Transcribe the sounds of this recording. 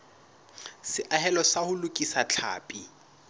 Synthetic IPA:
sɪʔaɦɛlɔsahʊlʊkʼisat͡ɬʰa̰ːpʼi

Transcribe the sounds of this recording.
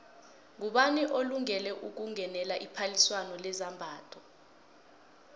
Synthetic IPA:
ŋuɓaniʔoluŋɛlɛʔuk̬uŋɛnɛlaʔipʰaliswanɔlɛzambʱaːtʰɔ

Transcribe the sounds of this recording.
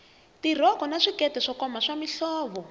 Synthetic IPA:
tir̤ɔkɔnaʂikɛtɛʂɔkɔmaʂamiɬɔːβɔ

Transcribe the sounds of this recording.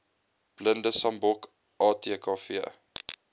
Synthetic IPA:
b̥ləndəsɐmbɔk | ʔɑːtiəkɑːfiə

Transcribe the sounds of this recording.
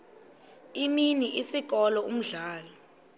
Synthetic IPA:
iminiʔisik̬ɔlɔum̩ɮaːlɔ

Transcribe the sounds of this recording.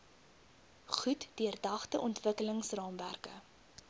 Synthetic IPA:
χutd̥yərdɐχtəʔɔntvəkələŋsrɑːmværkə̰

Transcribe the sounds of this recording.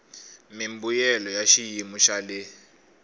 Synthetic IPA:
mimbujɛlɔjaʃijimuʃalɛ

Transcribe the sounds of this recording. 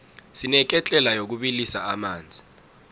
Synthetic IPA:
sinɛk̬ɛt͡ɬʼɛlajok̬uɓilisaamaːnd͡zʱi

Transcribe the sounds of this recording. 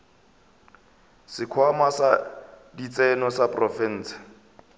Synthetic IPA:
sɪkʰwamasa | dit͡sɛnɔsaprɔfɛn̩ːt͡sḁ

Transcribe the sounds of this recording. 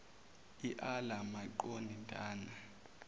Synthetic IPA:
iʔalamaǃonintʼaːna

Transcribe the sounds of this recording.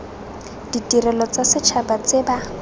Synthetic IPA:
d̥itʼirɛlɔt͡sasɪt͡ʃʰabat͡sɪba

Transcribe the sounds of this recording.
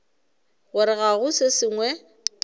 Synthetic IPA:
ɣʊɾɪɣaɣʊsesɪŋwɛ

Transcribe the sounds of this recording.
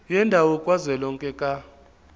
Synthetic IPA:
jɛndʱawɔkʼwazɛlɔŋkʼɛkʼa

